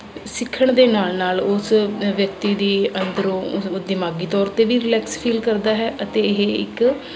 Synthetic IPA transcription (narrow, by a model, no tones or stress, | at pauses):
sɪkʰːəɳd̪eːnaːlnaːlʊsʋjək̚t̪iːd̪iːənd̪əɾõːd̪ɪmaːɡiːt̪ɔːɾt̪eːʋiːɾɪlɛːkspʰiːlkəɾd̪aːɦɛːʔət̪eːɪɦeɪ̰k